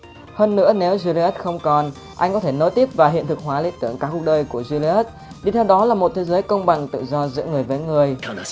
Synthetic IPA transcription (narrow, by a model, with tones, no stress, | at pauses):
həː˧nːɨ̰˧˥əne˨˦wzi˧li˧ɛ˦˥t̚xə˧wŋ͡mkɔ˨˩n | ʔa˧jŋ̟kɔ˨˦t̪ʰe˧˩no̰˧˥jt̪i˦˥əp̚vaː˨˩ɦḭ˧˨ənt̪ʰɨ˨˩k̚ɦwaː˨˦lḭ˧˥ənt̪ɨ˧˩əŋkaː˦˥kːʊ˦˥k̚ɗəː˧jku˧˩əzi˧li˧ɛ˦˥t̚ | ɗi˧˩t̪ʰɛ˧wɗɔ˨˦laː˨˩mo˨˩t̚t̪ʰe˨˦zəː˨˦jkə˧wŋ͡mɓa˨˩ŋt̪ɨ̰˧˨zɔ˧zɨ̰˧˥ŋɨ˨˩əjve˨˦ŋɨ˨˩əj